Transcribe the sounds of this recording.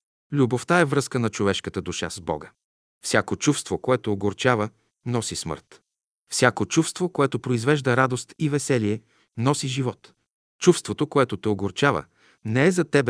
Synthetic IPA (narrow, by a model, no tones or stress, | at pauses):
lʲuboft̪aɛvɾɤskənɐt͡ʃovɛʃkət̪əd̪uʃa̰zbɔ̰ɡə | fsʲakot͡ʃufst̪vokoɛt̪oːɡoɾt͡ʃavə | nɔsismə̰ɾt̪ | fsʲjakot͡ʃufst̪vokoɛt̪opɾoizvɛʒd̪əɾad̪ost̪ivɛsɛliɛ | nɔsiʒivɔt̪ | t͡ʃufst̪vot̪okoɛt̪ot̪ɛoɡoɾt͡ʃavə̰ | nɛɛzɐt̪ɛbɛ